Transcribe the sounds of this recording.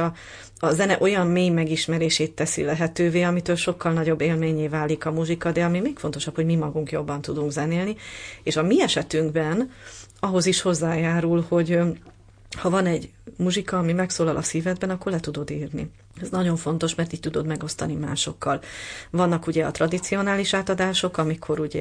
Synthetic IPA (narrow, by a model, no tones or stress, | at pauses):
ɒ | ɒzɛnɛʔo̞jɒmmeːjmɛɡiʃmɛɾeːʃeːt̪ːɛsḭlɛɦɛt̪øːveːɒmit̪øːlʃo̞kːɒlnɒɟo̞bːeːlmeːɲeːvaːlikɒmuʒikɒd̪ɛɒmimeːkfo̞nt̪o̞ʃɒphoɟmimɒɡuŋkjo̞bːɒnt̪ud̪uŋɡzɛneːlnieːʃɒmiɛʃɛt̪yŋɡbɛnɒɦo̞ziʃho̞zːaːjaːɾulho̞ɟ | hɒvɒnɛɟ | muʒikɒːmimɛksoːlɒlʔɒ̰siːvɛd̪̚bɛnɒkːo̞rlɛt̪ud̪o̞d̪iːrnḭ | ɛznɒɟo̞ɱfo̞n̪t̪o̞ʃmɛrt̪iːc̚t̪ud̪o̞d̪mɛɡo̞st̪ɒnima̰ːʃo̞kːɒlvɒnːɒkuɟɛɒ̰t̪rɒd̪it̪sio̞naːliʃaːt̪ɒd̪aːʃo̞kɒmikʰo̞ɾuɟɛ